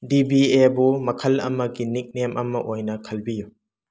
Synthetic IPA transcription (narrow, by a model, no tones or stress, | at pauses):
dibiebumɐkʰɐlɐ̰mɐɡinik̚nemʔɐmɐʔojnɐkʰɐlbiju